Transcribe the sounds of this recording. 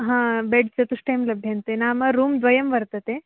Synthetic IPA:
ɦãːbeɖsɐt̪uʂʈɐjmlɐbʱjɐnt̪enaːmɐɾuːmd̪ʋɐjɐmʋɐɾt̪ɐt̪e

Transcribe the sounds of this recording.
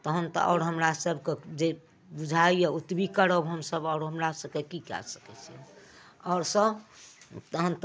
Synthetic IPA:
t̪əɦənt̪ɔ̰ʔɔ̰ːɾɦəmɾasəbʱked͡ʒe | bud͡ʒʱaijeut̪bikəɾəbɦəmsəbɔʊɾɦəmɾasəb̚kekikɛ̰sə̥kɛt͡ʃʰiɛ̰ | ɔːɾsə̃ | t̪əɦənt̪

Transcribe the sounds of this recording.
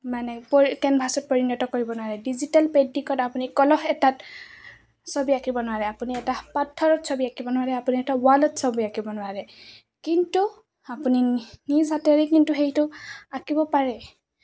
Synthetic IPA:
manɛpɔkɛnbʱasɔt̚pɔɹinɔtɔkoɹibɔnʊwaɹɛdizitalpedːikɔtapunikɔlɔhɛtat | sobiakibɔnʊaɹɛapuniɛtapatʰːɔɹɔtsobiakibɔnʊwaɹɛapuniɛtawalɔtsɔbiakibɔnʊwaɹɛ | kintu | apuninizatɛɹɛkintuxejtʊakibɔpaɹɛ

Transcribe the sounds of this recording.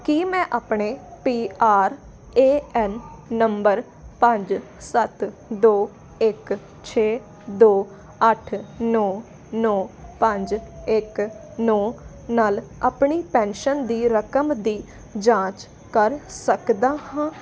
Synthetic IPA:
kiːmɛ̃ːʔaːpɳeːpiːʔaːɾ | eːɛːnːəmbəɾ | pə̃ɲd͡ʒ | sət̪d̪oː | ɪk | t͡ʃʰeː | d̪oː | əʈʰnɔː | nɔːpə̃ɲd͡ʒɪknɔː | naːlaːpɳiːpɛ̃ːnʃənd̪iːɾəkəmd̪iː | d͡ʒãːt͡ʃ | kəɾsəkd̪aːɦãː

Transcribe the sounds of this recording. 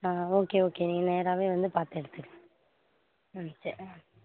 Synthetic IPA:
aːoːkeːoːkeːniːŋɡɐneːɾaːʋeːʋɐnd̪ɯpaːɾt̪ɛɽɯt̪ːɯkːɛ̃ | t͡ʃɛɾ

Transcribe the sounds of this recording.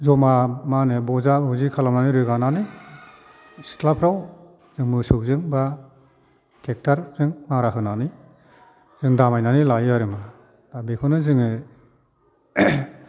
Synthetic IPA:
zɔmamanɯbɔzaɯzikʰalananiɾɯɡanani | si̥tʰlapʰɾaw | z̥ɯŋmɯsuk̚zɯŋba | tʰek̚tʰaɾzɯŋmaɾaɦɯnani | z̥ɯŋdamajnanilajaɾɯma | d̥abikʰɯnɯzɯŋɯ

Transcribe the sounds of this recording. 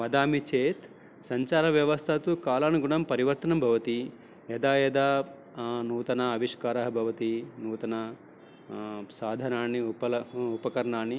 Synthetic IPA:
ʋɐd̪aːmit͡ʃeːt̪ | sɐɲt͡ʃaːɾɐʋjɐʋɐst̪ʰɐt̪ukaːlaːnuɡuɳɐmpɐɾiʋɐɾt̪ɐnɐmbʱɐʋɐt̪i | ɛd̪aːjɛd̪aː | nuːt̪ɐnɐɐʋiʃkaːɾɐɦɐbʱɐʋɐt̪inuːt̪ɐnɐ | saːd̪ʱɐnaːnːiupɐlɐupɐkɐɾɐɳaːnːi

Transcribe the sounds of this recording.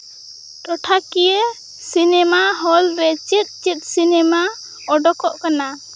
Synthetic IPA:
ʈɔʈʰakijə | sinɛmaɦɔlɾɛt͡ʃit̪̚ˀt͡ʃit̪̚ˀsinɛma | ɔɖɔkɔʔkana

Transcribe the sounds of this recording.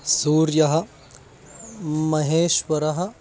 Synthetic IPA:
suːɾjɐɦɐ̆ | mɐɦeːʃʋɐɾɐɦɐ̆

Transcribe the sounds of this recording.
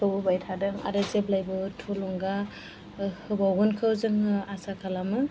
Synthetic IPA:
ɯwbɯbajtʰadɯŋa̰ɾɯzeblajbɯtʰolɔŋɡa | hɯbawɡunkʰɯwzɯŋasakʰalamɯ

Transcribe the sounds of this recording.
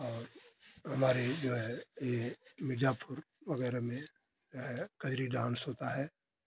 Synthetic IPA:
ɔːɾɦɐmaːɾed͡ʒoːɦɛjemɪd͡ʒaːpʰʊɾʋəɣɛːɾemẽ | d͡ʒoːɦɛkəɦɾiɖãːnsɦoːt̪aɦɛː

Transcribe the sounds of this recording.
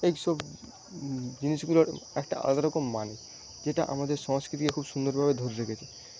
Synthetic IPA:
ejʃɔb | d͡ʑiniʃɡuloɾɛkʈa̰ʔa̰lɡ̪aɾɔkomːani | d͡ʑeʈa̰ʔa̰mad̪eɾʃɔŋskɾit̪ikekʰubʃund̪oɾbʱabed̪ʱoɾɾekʰet͡ɕʰe

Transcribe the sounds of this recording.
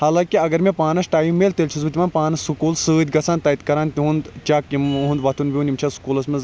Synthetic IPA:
haːlaːkiɐɡɐɾmẽpaːnɐsʈaːjimelt̪elt͡ʃʰizbɨt̪ʲimaːnpaːnɐsukuːlsɨːd̪ʲɡɐsaːnt̪ɐit̪kɐɾaːnt̪iɦũnd̪t͡ʃakimɦũnd̪ʋɐt̪ʰunbʲiũnimt͡ʃʰɐsu̥kuːlɐsmɐz

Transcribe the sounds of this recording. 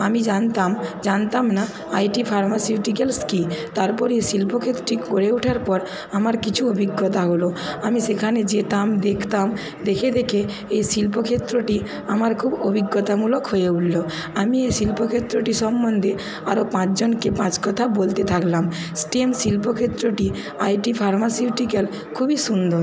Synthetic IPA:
amid͡ʑant̪amd͡ʑant̪amna | ajʈipʰaɾmasiuʈikelskit̪aɾpɔɾesilpokʰet̪ːɾoʈikoɽeuʈʰaɾpɔɾ | amaɾkit͡ɕʰuobʱiɡːɔt̪aɦoloamisekʰaned͡ʑet̪amd̪ekʰt̪am | d̪ekʰed̪ekʰe | ejsilpokʰet̪ːɾoʈi | amaɾkʰubobʱiɡːɔt̪amulokɦojeuʈlo | amiesilpokʰet̪ːɾoʈiʃɔmːɔnd̪ʱe | aɾopãt͡ɕd͡ʑonkepãt͡ɕkɔt̪ʰabolt̪et̪ʰaklam | sʈiemsilpokʰet̪ːɾoʈi | ajʈipʰaɾmasiuʈikɛl | kʰubiʃund̪ɔɾ

